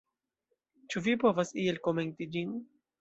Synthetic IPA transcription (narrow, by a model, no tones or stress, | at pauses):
t͡ʃuvipo̞vasielko̞me̞ntid͡ʒin